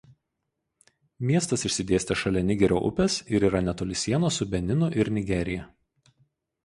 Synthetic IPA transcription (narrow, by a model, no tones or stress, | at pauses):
mʲiɛst̪ɐsɪʃʲsʲɪd̪ʲeːsʲt̪ʲɛʃɐlʲɛnʲɪɡʲɛɾʲo̰ːʔʊ̰pʲɛsɪɾiːɾɐnʲɛt̪oːlʲɪsʲiɛnoːsʊbʲɛnʲɪnʊʔɪɾnʲɪɡʲɛɾʲɪjɛ